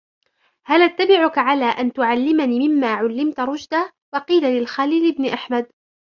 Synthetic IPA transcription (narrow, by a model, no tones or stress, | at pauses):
halʔat̪ːabɪʕʊkaʕalaːʔant̪ʊʕalːɪmaniːmɪmːaːʕʊlːɪmt̪ɾˤʊd͡ʒd̪a | wɑqiːlalɪlxaːliːlʔɪbnɪʔaħmad̪̚